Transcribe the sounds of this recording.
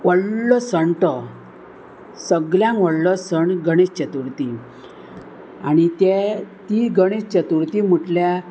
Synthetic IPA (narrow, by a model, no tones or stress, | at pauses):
ʋəɽlɔsəɳʈɔ | səɡljãŋʋəɽlɔsəɳɡəɽ̃est͡ɕət̪uɾt̪i | aɽ̃it̪et̪iɡəɽ̃est͡ɕət̪uɾt̪im̤uʈlja